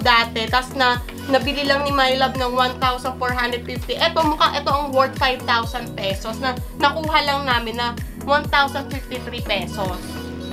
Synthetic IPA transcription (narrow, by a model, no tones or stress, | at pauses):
d̪aːt̪ɛt̪asnɐ | nɐbɪlɪlɐŋnɪmajlɐb̚nɐŋwant̪awsɐnd̪foɹɦand̪ɾɛd̪̚fɪft̪iʔɛt̪o̞mʊkaŋʔɛt̪o̞ʔɐŋwɔɹt̪̚fajvt̪awsɐnd̪̚pɛːsosnɐ | nɐkuːɦɐlɐŋnaːmɪnːɐ | want̪awsɐnd̪fɪft̪it̪ɾipɛːsos